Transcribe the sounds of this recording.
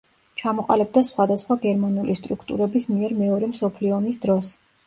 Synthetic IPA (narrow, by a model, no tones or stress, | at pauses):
t͡ʃʰamɔqʼa̰lɛb̚d̪asχwad̪asχwaɡɛɾmanulist̪ʼɾukʰt̪ʼṵɾɛbismiɛɾmɛɔɾɛmsɔpʰliɔnisd̪ɾɔs